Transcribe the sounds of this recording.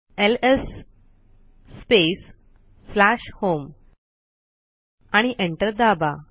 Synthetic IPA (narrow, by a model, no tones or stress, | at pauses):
eles | pesː | laɕhom | aɽ̃iʔeɳʈəɾd̪aba